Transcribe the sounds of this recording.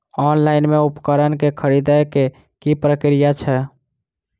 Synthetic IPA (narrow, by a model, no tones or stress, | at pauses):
ɔnlaɪnmeupkəɾənkekʰəɾid̪əjke | kipɾəkɾijat͡ʃʰɛ